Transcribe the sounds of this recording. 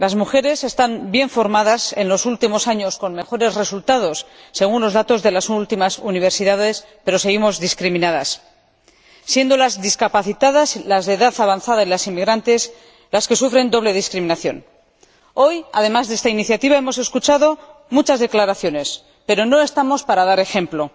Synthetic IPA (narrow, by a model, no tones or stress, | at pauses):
lazmuxe̞ɾe̞se̞st̪ambje̞ɱfo̞ɾmaðase̞nlo̞sult̪imo̞saɲo̞sko̞nme̞xo̞ɾe̞zre̞sult̪að̞o̞sːe̞ɣ̞unlo̞zðat̪o̞zðe̞lasult̪imasuniβ̞e̞ɾsiðaðe̞s | pe̞ɾo̞seɣimo̞zðiskɾimĩnaðas | je̞nd̪o̞lazðiskapaθit̪aðaslazðeðaθaβ̞anθaðaenlasimiɣɾant̪e̞s | laske̞sufɾe̞nd̪o̞β̞le̞ð̞iskɾimĩnaθjo̞̰n | o̞ja̰ðe̞mazðe̞st̪ainiθjat̪iβae̞mo̞se̞skut͡ʃaðo̞mut͡ʃazðe̞klaɾaθjo̞ne̞s | pe̞ɾo̞no̞e̞st̪amo̞spaɾaðaɾe̞xe̞mplo̞